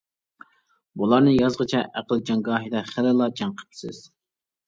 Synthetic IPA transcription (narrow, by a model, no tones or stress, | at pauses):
bulˠɑɾnɨjɑzʁət͡ʃʰɛʔæqəlˠd͡ʒɑŋɡɑːɦid̪ɛχælɪlˠɑd͡ʒɑŋqʰə̥pʰɪ̥sɪ̰z̥